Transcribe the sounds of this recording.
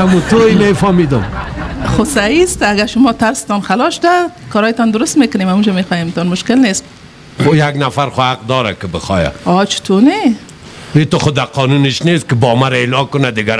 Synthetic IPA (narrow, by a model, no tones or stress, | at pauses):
amut̪oimefɔmid̪ʊmχʊsaist̪aɡaʃʊmɔt̪aɾsɪ̥t̪ɔnxalɔʃʊd̪akɔɾɔjt̪ɔnd̪ʊɾʊst̪mekʊnemamud͡ʒamexɔjemt̪ɔnmʊʃkɪlnes | ojaɡnafaɾχʊhaq̚d̪ɔɾa̰kɪbɪxɔ̰ja̰ɔt͡ʃɪ̥t̪ʰone | it̪ʊχʊd̪aqʰɔnunɪʃnest̪̚kɪbɔmaɾaelɔkʊnad̪ɪɡa